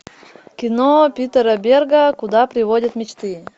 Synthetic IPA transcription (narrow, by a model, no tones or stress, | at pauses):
kʲɪnopʲit̪əɾəbʲerɡəkʊd̪apɾʲɪvodʲət̪mʲɪt͡ɕt̪ɨ